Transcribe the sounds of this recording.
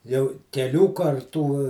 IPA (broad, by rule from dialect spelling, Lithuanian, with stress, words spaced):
jɛʊ kʲɛˈlʲuː kɐrˈtuː